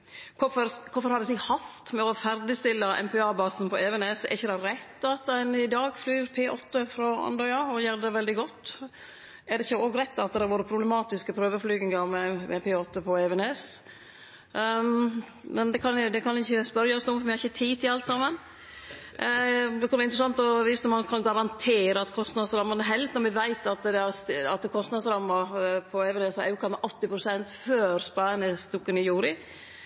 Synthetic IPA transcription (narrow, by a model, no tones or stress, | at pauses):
kʰʊfɔɾkʰʊfɔɾhɑɾʋɪsɪhɑst̪mɛɔfæɾd̪ɪst̪ɪlːəʔɛ̰mpɛɑːbɑːsn̩pʰɔɛʋɛneːsɛ̰ɾɪçːəd̪æhɾɾæt̪ːɑt̪æɪnɪd̪ɑːɡflyːɾpʰeːʔɔt̪ːəfɾɔɑ̰nd̪ɔʏɑɔjøːɾd̪ɛʋɛld̪ɪɡɔt̪ː | ʔɛɾɖ̪ɛɪçːəoːɡɾɛt̪ːɑt̪̚d̪ɛhɑɾʋuːɾəpʰɾʊblɛmɑːt̪ɪskəpʰɾøːʋəɾflyːɡɪŋɡɑmɛmɛpʰeːɔt̪ːəpʰɔɛʋɛnes | mɛnd̪ɛkʰɑnd̪ɛkʰɑnɛɪçːəspœɾjɑɔsnʊːmfɔɾʋɪhɑɾɪçət̪ʰiːt̪ʰɪɑlt̪sɑmːən | d̪ɛkʰɑnʋɛɾɪnt̪ɾəsɑnt̪ɔʋiːst̪əmɑnkʰɑnɡɑɾɑnt̪ʰeːɾəɑt̪kʰɔst̪nɑd̪sɾɑmːɑnəɦɛlt̪nɔɾmɛʋæɪt̪ɑt̪d̪ɛɑst̪ɑt̪kʰɔst̪nɑd̪sɾɑmːɑpʰɔɛʋɛnɛshɑʉkʰɔmːəʔɔt̪ːɪpɾʊsɛnt̪føːɾspɑnəst̪ukːənɪjuːɾɪ